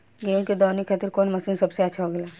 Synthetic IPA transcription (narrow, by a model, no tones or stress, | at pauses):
ɡeːõked̪ɔːnikʰaːt̪iɾkoːnmɐsiːnsɐbseɐtːʃʰaɦoːɡelaː